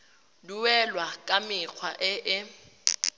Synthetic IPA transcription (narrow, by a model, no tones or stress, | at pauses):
luwɛlwakʼamɪk͡xʰwaʔɪʔɪ